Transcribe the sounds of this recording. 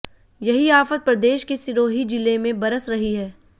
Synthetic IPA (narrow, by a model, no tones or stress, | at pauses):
jɐɦiaːfət̪̚pɾɐd̪eːʃkesɪɾoːɦid͡ʒɪlemẽbɐɾəsɾɐɦiɦɛː